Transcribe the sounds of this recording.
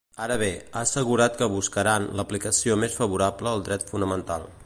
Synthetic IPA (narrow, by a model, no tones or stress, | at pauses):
aɾəβ̞eaəsəɣ̞uɾat̪kəβ̞uskəɾanləplikəsiomesfəβuɾapləːlˠd̪ɾɛt̪funəmənt̪alˠ